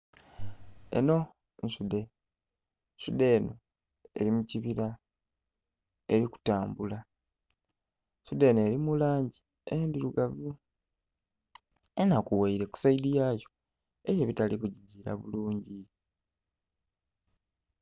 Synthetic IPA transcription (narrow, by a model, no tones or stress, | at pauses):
e̞̰no̞ | nʃude̞ | ʃude̞ːno̞ | e̞̰ɾimuciβiɾa | e̞ɾiku̥taːmbula | ʃude̞ːnoeɾimulaːɲɟi | endiɾuɡavu | enakuwaiɾe̞ku̥saidijaːjo̞ | ejeβitalikuɟiɟiɾa̰βuluːɲɟi